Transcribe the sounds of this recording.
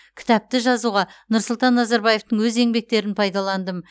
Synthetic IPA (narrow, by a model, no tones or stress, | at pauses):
kʲʰɪ̥t̪ɑp̚t̪ɪʒɑzuʁɑnʊɾsʊlˠt̪ɑnːɑzɑɾbɑje̞ft̪əɴwɵze̞ŋbe̞k̚t̪e̞ɾɪnpʰɑjd̪ɑlˠɑnd̪əm